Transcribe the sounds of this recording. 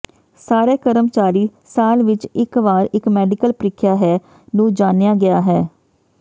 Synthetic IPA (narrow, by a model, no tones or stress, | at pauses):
saːɾeːkəɾəmt͡ʃaːɾiːsaːlʋɪt͡ʃɪkʋaːɾɪkmɛːɖɪkəlpɾɪkʰjaːɦɛː | nũːd͡ʒaːnjaːɡɪaːɦɛː